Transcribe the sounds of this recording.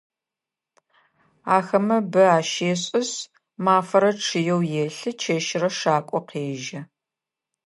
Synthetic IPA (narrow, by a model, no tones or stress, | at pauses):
aːxɐmɐbɨaːʃeːɕʼɪs | maːfɐɾɐʈ͡ʂʰɨjɛwjeɬɨt͡ʃʰeːʃɪrɐʂaːkʷʼɔqʰeːʒɐ